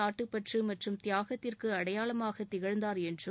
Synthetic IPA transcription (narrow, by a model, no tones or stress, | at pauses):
aːʈːɯpːɐʈrimɐʈrɯmt̪ɪjaːɣɐt̪ːɪrkɯɐɽɐjaːɭɐmaːɣɐt̪ːɪɣɐɻnd̪aːɾɛndrɯ